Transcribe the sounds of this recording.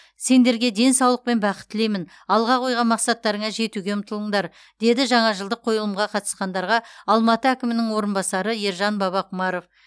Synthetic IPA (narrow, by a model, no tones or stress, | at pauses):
se̞nd̪e̞ɾɡʲe̞d̪e̞nsɑwlˠəq̚pe̞nbɑqət̪ːɪlejmɪn | ɑlˠʁɑqʰo̞jʁɑnmɑqsɑt̪ːɑɾəɴɑʒe̞t̪uɡʲe̞mʊt̪əlˠəɴd̪ɑɾ | d̪̥e̞d̪ɪʒɑɴɑʒəlˠd̪əqʰo̞jəlˠəmʁɑqʰɑt̪ə̥sqɑnd̪ɑɾʁɑɑlˠmɑt̪əækʲɪmɪnɪŋwo̞ɾənbɑsɑɾəjeɾʒɑnbɑβɑqʰumɑɾo̞f